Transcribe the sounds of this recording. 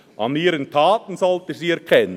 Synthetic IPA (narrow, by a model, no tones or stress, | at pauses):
ʔɑ̰niːɾəntʰaːtn̩sɔltəsiːɛɾkʰɛnːə